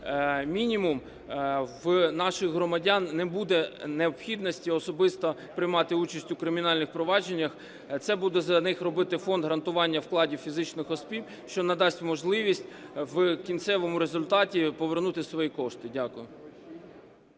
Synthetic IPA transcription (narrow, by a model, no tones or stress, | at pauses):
mʲinʲimum | ʋnɑʃɪxɦɾɔmɐdʲanːɛbud̪ɛneɔpxʲid̪nɔsʲtʲiɔsɔbɪst̪ɔ | pɾɪjmɑt̪ɪut͡ʃɐsʲtʲʊkɾɪmʲinɑlʲnɪxpɾɔʋɑd͡ʒe̞nʲːɐx | t̪sɛbud̪ɛzɐnɪxrɔbɪt̪ɪfɔnd̪ɦɾɐnt̪ʊʋɑnʲːɐwklˠɑdʲiwfʲizɪt͡ʃnɪxɔspʲiw | ʃt͡ʃɔnɛd̪ɑsʲtʲmɔʒlˠɪʋʲisʲtʲʋkʲint̪sɛʋɔmʊɾezʊlʲt̪ɑtʲipɔʋernut̪ɪsʋɔjikɔʃt̪ɪdʲakʊjʊ